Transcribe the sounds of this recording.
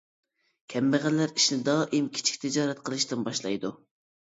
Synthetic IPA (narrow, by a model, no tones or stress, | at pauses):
kʲʰɛmbɪʁællːæɾiʃnɪd̪ɑːʔimkʲʰi̥t͡ʃʰi̥kʲt̪ʰɪd͡ʒɑːɾɛt̪qʰəlˠɨʃt̪ɨnbɑʃlˠɑ̰jd̪u